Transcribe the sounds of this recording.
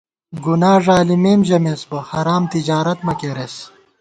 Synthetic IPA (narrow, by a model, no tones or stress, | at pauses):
ɡunaːʐaːlimeːmʑɐmesbɐhɐɾaːmt̪id͡ʑaːɾɐt̪mɐkeɾes